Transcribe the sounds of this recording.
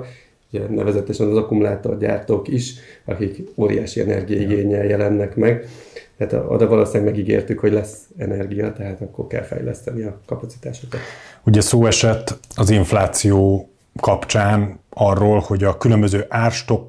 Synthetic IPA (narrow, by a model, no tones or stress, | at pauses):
uɟɛnɛ̰vɛzɛt̪ɛʃɛnɒzɒkumulaːt̪o̞rɟa̰ːrt̪oːkiʃɒkikoːɾḭjaːʃiɛ̰nɛ̰rɡijɒiɡeːɲɛljɛlɛnːɛkmɛɡt̪ɛaːt̪o̰d̪ɒvɒloːsaːɡmɛɡiɡḛːrt̪ykho̞ɟlɛsɛnɛrɡijɒt̪ɛɦaːt̪ɒkːo̞̰rkɛ̰lfɛ̰jlɛ̰st̪ɛniɒkɒpɒt̪si̥t̪aːʃo̞kɒt̪uɟɛsoːɛʃɛt̪ːɒziɱflaːt̪sijoː | kɒpt͡ʃaːnɒrːoːlho̞ɟɒkylømbøzøːʔaːrʃt̪o̞k